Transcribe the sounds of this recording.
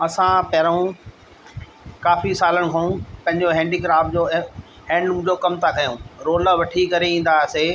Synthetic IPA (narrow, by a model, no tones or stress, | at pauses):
ɐsãpɐɾũ | kaːfisaːləɽ̃̆kʰɐũpɐ̃ɦɪɲd͡ʑoɦɛ̃ːɳɖiɡɾaːpd͡ʑoː | ɦɛ̃ːɳɖmʊ̃ːd͡ʑokɐmt̪ʰakɐjũːɾoːlʋɐʈʰikɐɾeĩːn̆d̪aseː